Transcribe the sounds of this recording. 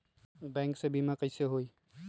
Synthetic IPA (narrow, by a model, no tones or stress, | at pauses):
bɛ̃ːŋksebʱimẽkəɪseɦoi